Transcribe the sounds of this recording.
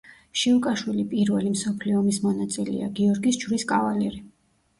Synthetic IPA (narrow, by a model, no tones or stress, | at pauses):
ʃiukʼaʃwilipʼiɾvɛlimsɔpʰliɔmismɔnat̪sʼilɛ̰a̰ɡiɔɾɡisd͡ʒɾiskʼavalɛɾi